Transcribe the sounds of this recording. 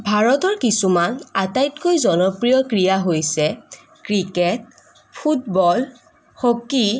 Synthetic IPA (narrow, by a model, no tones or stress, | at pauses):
bʱaɹɔtɔɹkisumanatajtkojzɔnɔpɹijɔkɹijaɦojsɛ | kɹikɛt̚ | pʰutbɔl | hoki